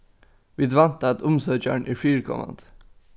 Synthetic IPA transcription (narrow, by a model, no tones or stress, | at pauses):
ʋiːd̪ʋɑnt̪ɑɛt̪ʊmsœːc͡çæ̰ɳʔiːfyːɹkʰɔ̰mɑ̰nd̪